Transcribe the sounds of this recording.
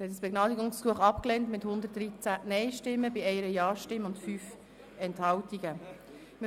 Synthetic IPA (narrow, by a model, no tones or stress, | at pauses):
ɾhɛt̚əsb̥eɡ̥nɑːdiɡʊŋskuəχɑpklɛntmɪthʊnd̪ət̚d̥ɾit͡sænɛɪʃtɪmːəbiɛɪəɾəjɑːʃtɪmːəʊntfyːf | ɛnthɑltiɡə | mɪ